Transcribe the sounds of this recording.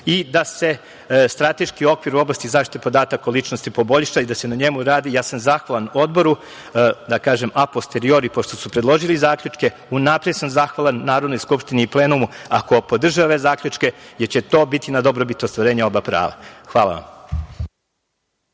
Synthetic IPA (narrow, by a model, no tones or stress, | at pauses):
id̪ase̞ | st̪ɾat̪e̞ʃkio̞kʋiɾuo̞blast̪izaːʃt̪i̥t̪epo̞d̪aːt̪akaolˠit͡ʃnost̪ipo̞bo̞ʎʃaid̪ase̞naɲemuɾaːd̪ijaːsamzaxʋalˠanuo̞d̪bo̞ɾu | d̪akaːʒe̞mapo̞st̪e̞ɾio̞ɾipo̞ʃt̪o̞supɾed̪lˠo̞ʒilizaːkʎʲut͡ʃke̞ | unapɾed̪samzaxʋalˠanːaːɾod̪no̞jskupʃt̪iniːpleːnumuako̞po̞d̪r̩ʒaoʋezaːkʎʲut͡ʃke̞jeɾt͡ɕe̞t̪o̞ːbit̪inad̪o̞bɾobit̪ost̪ʋaɾe̞ːɲao̞bapɾa̰ːʋa̰xʋaːlˠa̰ʋa̰m